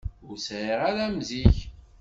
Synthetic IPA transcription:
ʊɾsʕiʁaɾæmziç

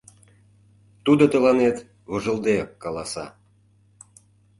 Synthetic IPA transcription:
t̪ud̪ot̪ə̆lɑnet̪ | βoʒə̆ld̪ekːɑlɑsɑ̰

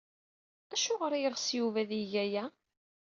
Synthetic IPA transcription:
æʃʊʁɾajəʁsjuvæðiʝæjæ

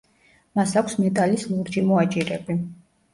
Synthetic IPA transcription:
masakʷʰsmɛt̪ʼalislˠuɾd͡ʒimɔat͡ʃʼiɾɛbi

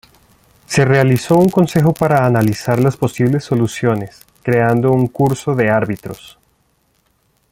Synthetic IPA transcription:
se̞re̞aliso̞uŋko̞nse̞xo̞paɾaːnalisaɾlaspo̞siβ̞le̞sːo̞lusjo̞ne̞s | kɾe̞and̪o̞uŋkuɾso̞ðe̞aɾβit̪ɾo̞̰s

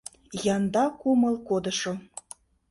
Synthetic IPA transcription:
jɑnd̪ɑkumə̆lˠkod̪ə̆ʃo

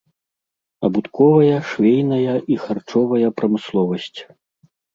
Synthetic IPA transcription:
ɐ̰but̪kɔvɐjɐʂvʲejnɐjɐʔixart͡ʂɔvɐjɐpɾɐmɨslˠɔvɐsʲt͡sʲ

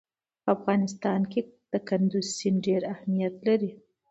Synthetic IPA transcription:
pəafɣɑnɪst̪ɑnked̪̥əkand̪uzsinɖeɾahmijat̪laɾi

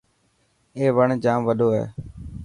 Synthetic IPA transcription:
eːʋəɳd͡ʒaːmʋəɗoːḛː

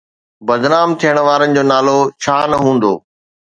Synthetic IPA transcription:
bɐd̪naːmt̪ʰijəɽ̃ʋaːɾənɪ̆d͡ʑoːnaːlot͡ɕʰaːnɐɦũːn̆d̪o̰ː

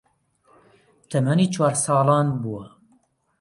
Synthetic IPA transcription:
t̪ʰɐmaniːt͡ʃʰwɑːɾsɑːlˠɑːnbuwɐ

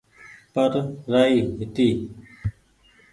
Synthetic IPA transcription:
pəɾɾaːiːɦɪt̪iː

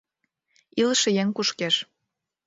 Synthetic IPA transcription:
ilə̆ʃĕjeŋkuʃkeʃ

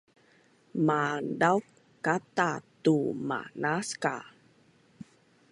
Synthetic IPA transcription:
madawk | kat̪at̪uma̰naska̰

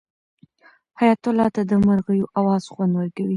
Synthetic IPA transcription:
hajat̪ʊlɑt̪ad̪əmaɾɣəjoʔawɑz̥xwand̪wəɾkawi

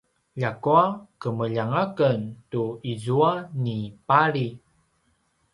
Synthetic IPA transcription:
ʎakuakəməʎaŋakəntuizuanipaɾi

